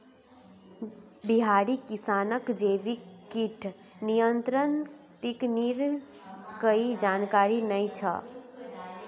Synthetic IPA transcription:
biɦaɽikisanəkd͡ʒebikiʈʰ | nijənt̪ɾənt̪ikniɾ | kəid͡ʒankaɾinəjt͡ʃʰə̰

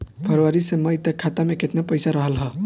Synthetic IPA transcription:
pʰəɾʋaɾiseməjt̪əkʰːat̪amẽket̪napəɪsaɾəɦəlɦə

